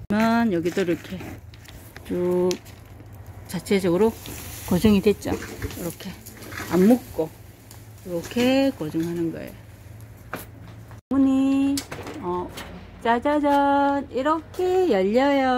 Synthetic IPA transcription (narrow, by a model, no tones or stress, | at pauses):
mjʌnjʌɡidoiɾʌkʰe̞ | t͡ɕu | t͡ɕat͡ɕʰe̞d͡ʑʌɡɯɾokʌd͡ʑɯŋidwet̚t͡ɕ͈o̰iɾʌkʰe̞amːuk̚k͈o | iɾʌkʰekʌd͡ʑɯŋɦanɯnɡʌ̰ḛj | umuɲi | ʌt͡ɕad͡ʑad͡ʑʌniɾʌkʰejʌʎːʌjʌ